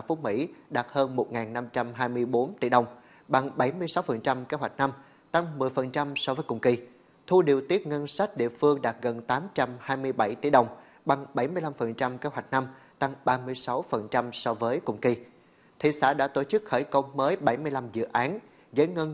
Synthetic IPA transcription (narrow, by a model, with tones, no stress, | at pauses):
fu˦mḭ˧˥ɗaː˨˩t̚həː˧nmo˨˩t̚ŋaː˨˩nːa˧mt͡ɕa˧mɦaː˧jmɨ˧əjɓo˨˦nt̪ḭ˧˩ɗə˨˩wŋ͡m | ɓa˨˩ŋɓa˧˩jmɨ˧əjsa˨˦wfə˨˩nt͡ɕa˧mke˨˦˥ɦwa˨˩jk̚na˧m | t̪a˧ŋmɨ˨˩əjfə˨˩nt͡ɕa˧msɔ˧vəː˨˦jkʊ̰˨˧˩ŋ͡mki˧ | t̪ʰu˧ɗi˨˩əwt̪i˦˥ət̚ŋə˧nsa˦˥jk̚ɗḭ˧˨əfɨ˧əŋɗaː˨˩t̚ɣə˨˩nt̪aː˨˦mt͡ɕa˧mhaː˧jmɨ˧əjɓa˧˩jt̪ḭ˧˩ɗə˨˩wŋ͡m | ɓa˨˩ŋɓa˧˩jmɨ˧əjla˧mfə˨˩nt͡ɕa˧mke˨˦˥ɦwa˨˩jk̟̚na˧m | t̪a˧ŋɓaː˧mɨ˧əjsa˨˦wfə˨˩nt͡ɕa˧msɔ˧vəː˨˦jkʊ̰˧˩ŋ͡mki˧ | t̪ʰḭ˧˨sa̰ː˧˥ɗa̰ː˧˥t̪o˧˩t͡ɕɨ˦˥k̚xəː˧˩jkə˧wŋ͡mːəː˨˦jɓa˧˩jmɨ˧əjla˧mzɨ̰˧˨ʔaː˨˦n | zə˨˦jŋə˧n